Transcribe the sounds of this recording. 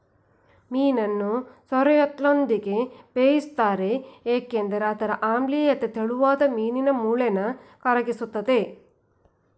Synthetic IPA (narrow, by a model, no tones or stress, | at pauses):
miːnɐnːusɐɾɐjot̪lond̪iɡe̞peːjist̪aːɾe̞eːkend̪ɐɾeɐt̪ɐɾɐʔaːmbliɐt̪ːet̪eɭuʋaːd̪ɐmiːninɐmuːɭɛnɐkɐɾɐɡisut̪ːɐd̪e̞